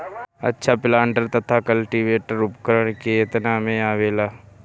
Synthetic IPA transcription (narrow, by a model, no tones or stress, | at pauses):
ɐ̰tːʃʰaplãːɳɖəɾt̪ɐt̪ʰakəlʈiːʋeːʈəɾʊpkəɾəɽ̃keɪt̪namẽaːʋeːlaː